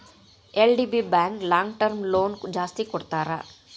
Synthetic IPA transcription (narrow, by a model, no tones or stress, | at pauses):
eːlɖiːbibɛ̃ːŋklãːŋɡʈəɾmloːnd͡ʒaːst̪ikɔɽt̪aːɾa̰ː